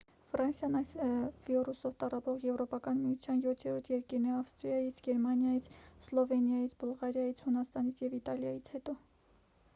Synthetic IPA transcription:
frɑnsjɑnɑjsvirusɔvt̪ɑrɑpɔʁjɛvɾɔpɑkɑnmijut͡sʰjɑnjɔt̪ʰjɛɾɔɾt̪ʰjɛɾkiɾnɛɑfst̪ɾijɑjit͡sʰɡɛɾmɑnjɑjit͡sʰslɔvɛnjɑjit͡sʰbulʁɑɾjɑjit͡sʰhunɑst̪ɑnit͡sʰjɛvit̪ɑljɑjit͡sʰhɛt̪ɔ

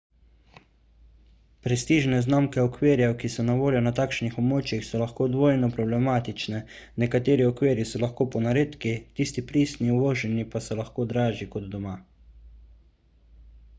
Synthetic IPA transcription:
pɾɛst̪iːʒnɛznamkɛɔkʋeːɾjɛwkisɔnaʋoːljɔnat̪aːkʃnixɔbmoːt͡ʃjixsɔlaxkoːd̪ʋoːjnɔpɾɔblɛmaːt̪it͡ʃnɛ | nɛkat̪eːɾiɔkʋeːɾjisɔlaxkoːpɔnaɾeːt̪kit̪iːst̪ipɾiːst̪niuʋoːʒɛnipasɛlaxkoːd̪ɾaːʒikɔd̪d̪ɔmaː

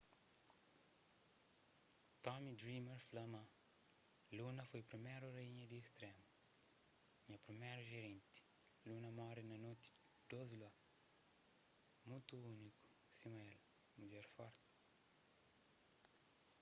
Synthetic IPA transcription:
t̪ɔmid̪ɾimeɾflɐmã | lunɐfojpɾimeɾureiɲɐd̪iːst̪ɾɛmu | ɲɐpɾimɛɾuʒeɾẽnt̪i̥ | lunɐmɔɾinɐnot̪i̥ | d̪̥ozla | mũt̪uuniku̥ | simael | mud͡ʒɛɾfɔɾt̪i̥

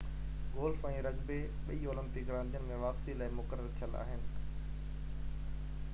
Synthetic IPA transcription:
ɡoːlfɛ̃ːɾɐɡbe | ɓɐioːlə̃mpɪkɡɾãnd̪ʱijənɪ̆mẽʋaːpsilaːɪmʊkəɾəɾt̪ʰijəla̰ːɦɪnɪ̆

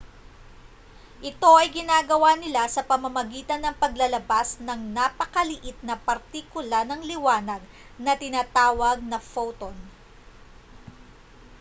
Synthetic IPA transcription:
ʔɪt̪o̞ʔɐjɡɪnaːɡɐwaːnɪlasɐpɐmɐmɐɡiːt̪ɐnːɐŋpɐɡlɐlɐbasnɐŋnaːpɐkɐlɪʔɪt̪̚nɐpɐɾt̪ikʊlanɐŋlɪwaːnɐɡ̚ | nɐt̪ɪnaːt̪aːwɐɡ̚nɐfowt̪on

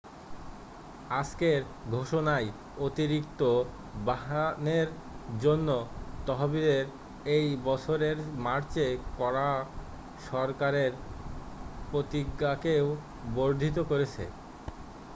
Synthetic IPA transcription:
ad͡ʑkeɾ | ɡʱoʃonaj | ot̪iɾik̚t̪o | baɦaneɾ | d͡ʑonːot̪ɔɦobid̪eɾ | ejbɔt͡ɕʰoɾeɾmaɾt͡ɕekɔɾa | ʃɔɾkaɾeɾ | pɾot̪iɡakew | boɾd̪ʱit̪okoɾet͡ɕʰḛ

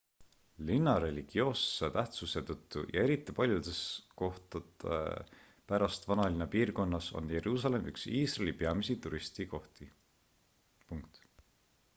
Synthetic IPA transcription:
linːɑɾe̞lʲiɡ̥io̞ːsːet̪æht̪suse̞t̪ɤt̪ːujɑ̰e̞ɾit̪ːˑipɑlʲjud̪̥e̞sko̞ht̪ɑd̪ḛ | pæɾɑst̪vɑnɑlinepiːrko̞nːɑso̞̰nje̞ɾuːsɑle̞mʔyksiːsrelʲipeɑmisit̪uɾist̪iko̞ht̪i | puŋkt̪

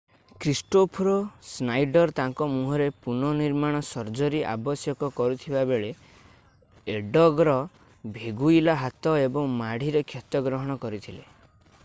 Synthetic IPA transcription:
kɾisʈopʰɔɾɔsnajɖɔɾt̪aŋkɔmuɦɔɾepunɔniɾmaɽ̃ɔsɔɾd͡ʒɔɾiʔa̰bɔsjɔkɔkɔɾut̪ʰibabeɭe | eɖɔɡɾɔ | bʱeɡuilaɦat̪ɔebɔŋmaɽ̤iɾekʰjɔt̪ɔɡɾɔɦɔɽ̃ɔkɔɾit̪ʰile

